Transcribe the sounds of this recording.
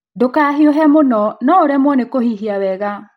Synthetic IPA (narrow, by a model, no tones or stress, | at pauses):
dokaɦioɦɛmonɔnɔoɾɛmwɔnekohiɦiawɛɣa